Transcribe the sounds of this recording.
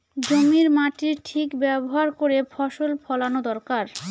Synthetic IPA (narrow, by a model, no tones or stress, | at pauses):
d͡ʑomiɾmaʈiɾʈʰikbɛboɦaɾkoɾefʰɔʃolpʰɔlanod̪ɔɾkaɾ